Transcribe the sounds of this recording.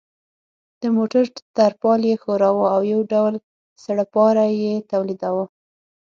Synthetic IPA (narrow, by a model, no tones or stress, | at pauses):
d̪̥əmoʈaɾt̪aɾpɑljexoɾɑwəawjawɖawl | saɽapɑɾajet̪awlid̪awa